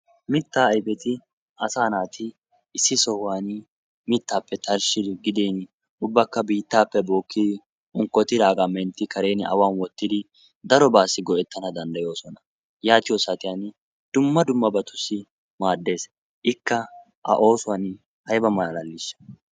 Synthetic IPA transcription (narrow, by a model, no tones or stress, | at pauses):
mɪt̪ːaːɐjbɛt̪ɪ | ɐsaːnaːt̪ɪ | ɪsːɪsɔhʊwan | mɪt̪ːaːpːɛt̪ɐɾʃɪd̪ɪɡɪd̪eːn | ʊbːɐkːɐbiːt̪ːaːpːɛbo̞ːkːɪd̪ɪ | ʊŋkːɔt̪ɪɾaːɡamɛnt̪ːɪkɐɾe̞ːnɪʔɐ̰waːnwɔt̪ːɪd̪ɪ | d̪ɐɾɔbaːsːɪɡɔɛt̪ːɐnɐd̪ɐnd̪ɐjo̞ːsɔnɐ | jaːt̪ɪjoːsat̪ɪjan | d̪̥ʊmːɐd̪ʊmːɐbɐt̪ʊsːɪ | maːd̪ːe̞ːs | ʔɪkːɐ | ʔɐ̰ʔo̞ːsʊwan | hɐjbɐmɐllɐlːɪs